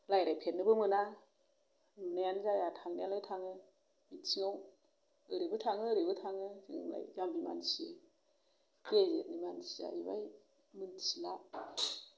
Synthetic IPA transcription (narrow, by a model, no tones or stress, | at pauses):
lajɾajpʰenːɯbɯmɯna | ɯnajanzajatʰaŋnajalajtʰaŋɯ | mitsiŋɔw | ɯɾibɯtʰaŋɯɾibɯtʰaŋɯsiŋ̰la̰jzambima̰nsie | kezenimansiza̰iba̰j | mɯnsila